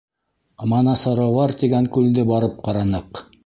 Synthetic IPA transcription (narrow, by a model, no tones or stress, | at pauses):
mɑnɑsɑɾɑwʁɑɾt̪iɡæŋkʉld̪ɘbɑɾɤp̚qɑɾɑnɤq